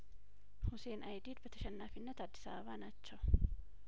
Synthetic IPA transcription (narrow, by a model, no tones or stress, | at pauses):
hʊseːnʔɐjd̪iːd̪bɐt̪ʰɐʃɐnːaːfɪnːɐt̪ad̪ːɪ̥sa̰ːβaːnat͡ʃːɐ